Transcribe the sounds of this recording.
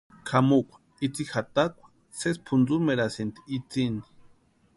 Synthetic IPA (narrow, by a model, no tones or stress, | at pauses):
kʰamukʷḁ | it͡sixat̪akʷḁ | sespʰund͡zumeɾasent̪i̥it͡sini̥